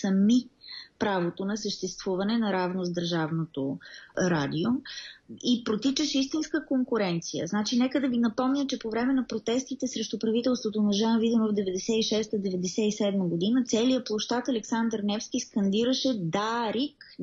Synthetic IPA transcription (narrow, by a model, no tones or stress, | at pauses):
sɐmipɾavot̪onɐsəʃt̪ɛst̪vuvɐnɛnɐɾavnozd̪əɾʒavnot̪oɾad̪iomipɾot̪it͡ʃəʃist̪inskəkoŋkʊɾɛnt̪sijə̰znat͡ʃinɛkəd̪ɐvinɐpɔmnʲət͡ʃɛpovɾɛmɛnɐpɾot̪ɛst̪it̪ɛsɾɛʃt̪upɾɐvit̪ɛlˠst̪vot̪onɐʒanvid̪imovd̪ɛvɛd̪ɛsɛiʃɛst̪əd̪ɛvɛd̪ɛsɛisɛd̪məɡod̪inət̪sɛlijəplˠoʃt̪at̪ɐlɛksand̪əɾnɛfsk̟ʲiskɐnd̪iɾəʃɛd̪aɾik